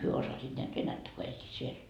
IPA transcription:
hyø osɑsit næːt ʋenætːæ ko elʲːiːt siel

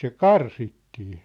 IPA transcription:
se kɑrsitːiː

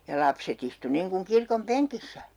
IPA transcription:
jɑ lɑpset istu niŋkuŋ kirkom peŋkisːæ

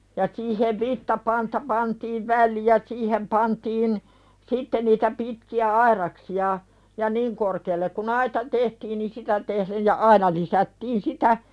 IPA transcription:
jɑ siːheʋ ʋitːɑpɑntɑ pɑntiːʋ ʋælːij̆ jɑ siːhem pɑntiːn sitːe niːtæ pitkiæ ɑirɑksiɑ jɑ niŋ korkeːlːek kun ɑitɑ tehtiːn ni sitæ tehlej jɑ ɑinɑ lisætːiːn sitæ

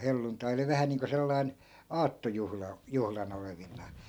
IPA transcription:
helːuntɑi oli ʋæhæ niːŋko selːɑi̯n ɑːtːojuhlɑ juhlɑn oleʋinˑɑː

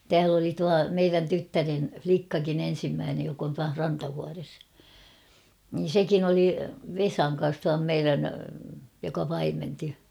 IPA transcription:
tæːl oli tuɑ meiræn tytːæren̞ʲ flikːɑkin en̞simːæːnej jok on tuɑh rɑntɑʋuɑres niːn̞ sekin oli ʋesɑŋ kɑn̞s tuɑm meiræn jokɑ pɑimenti

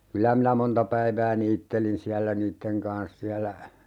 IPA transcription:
kylæ minæ montɑ pæiʋæː niːtːelin siælːæ niːtːeŋ kɑns siælːæ

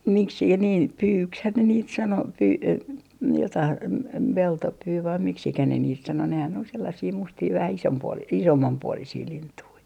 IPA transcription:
miksikæ niːn pyːkshæn ne niːt sɑno pyː jotɑih p peltopyː ʋɑi miksikæ ne niːt sɑno nehæn ol selːɑsiː mustiː ʋæhæ isompuo isomːɑmpuolisiː lintui

